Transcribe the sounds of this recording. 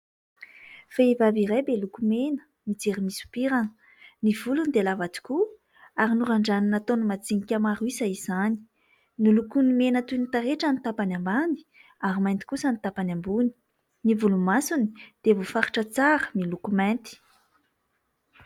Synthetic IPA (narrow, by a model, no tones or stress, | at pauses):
faivaviɾajbelukumenə̥ | mid͡zeɾimisu̥piɾanə | nivulunid̪elavad͡z̪i̥ku | aɾinuɾaɳɖ͡ʐaninat̪onumat͡siŋikʲamaɾuizaiz̥ani̥ | nilukunimenət̪unit̪aɾeʈ͡ʂanit̪apanambani̥ | aɾimajnt̪i̥kusənit̪apanʲambuni̥ | nivulumasuni̥d̪̥evofaɾi̥ʈ͡ʂət͡saɾəmilukumɛnt̪i̥